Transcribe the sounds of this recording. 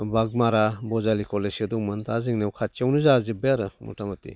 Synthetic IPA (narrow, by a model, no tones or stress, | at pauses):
baɡ̚maɾabɔzalikɔlesɯdɔŋmɯntʰazɯŋnewkʰat͡ʃiawnɯzazɯbeɾɯmṵtamatḭ